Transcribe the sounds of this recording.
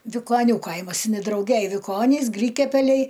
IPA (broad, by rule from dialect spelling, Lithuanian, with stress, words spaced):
ʋʲɪkoːˈnʲuː ˈkɐɪmɐs ɪn ɪ drɐʊˈɡʲɛj ʋʲɪˈkoːnʲiːs ˈɡrʲiːkʲɛpʲɛlʲɛɪ